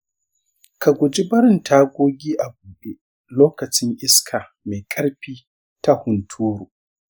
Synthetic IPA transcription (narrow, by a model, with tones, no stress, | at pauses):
ka˨ɡʷʊ˨d͡ʒi˦bɐ˦ɾɪ˦˨ntʰaː˦ɡʷoː˦ɡʲiː˦ʔa˨ɡuː˨ɓe˦ | loː˦kɐ˨t͡ʃɪ˦ŋʔɪ˦skʰaː˨ | me˨kʼɐ˦ɽɸiː˦ | ta˦hʊ˨ntʰuː˦ɾuː˨